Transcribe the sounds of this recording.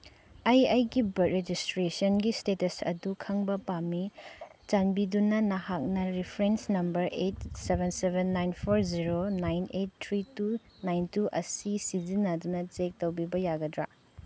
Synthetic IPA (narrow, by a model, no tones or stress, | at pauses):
ɐjɐjɡibɐt̚ɾed͡ʒistɾesɐnɡistetɐsɐ̰dukʰɐŋbɐpamit͡ʃɐnbidunɐnɐhak̚nɐɾipʰɾensnɐmbɐɾʔet̚sebʱensebʱenːajnpʰoɾziɾonajnet̚tʰːɾitu | najntuʔɐ̰sisizinːɐdunɐt͡ʃek̚tɐwbibɐjaɡɐdɾa̰